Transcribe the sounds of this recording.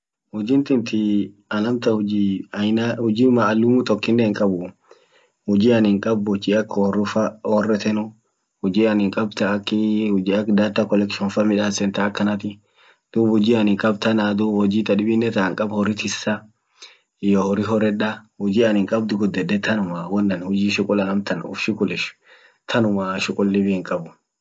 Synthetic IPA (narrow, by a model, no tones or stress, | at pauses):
hʊd͡ʒɪnt̪ɪnt̪ɪ | ɐlɐmt̪ɐhʊd͡ʒinahʊd͡ʒiːmaːlːʊmut̪ɔkːɪnːɛhɪŋkʼɐbʊ | hʊd͡ʒiːɐnɪŋkʼɐbhʊd͡ʒiɐkːɔrʊfɐhɔrːɛt̪ɛnʊ | hʊd͡ʒiːɐnɪŋkʼɐbt̪ɐːkːɪhʊd͡ʒiːɐkd̪aːt̪ːɐkɔlɛkʃɔnfɐmɪᶑaːsɛnt̪ɐːkːɐnɐt̪ɪ | d̪̥uːbhʊd͡ʒiːɐnɪŋkʼɐb̚t̪ɐnad̪ubhɔd͡ʒiːt̪ʼɐᶑɪbɪnːɛt̪aŋkʼɐbhɔɾɪt̪ɪsːɐ | ɪjohɔɾɪɦɔrɛᶑɐhʊd͡ʒiːɐnhɪŋkʼɐb̚d̪ʊɡɔd̪ːɛdɛt̪ʰɐnʊmawɔnːɐnhʊd͡ʒiːʃʊkʼʊlɐnɐmt̪ɐnʊ̰fʃɪkʼʊlɪʃ | t̪ʰɐnʊmaʃʊkʼʊlːɪbɪhɪŋkʼɐbʊ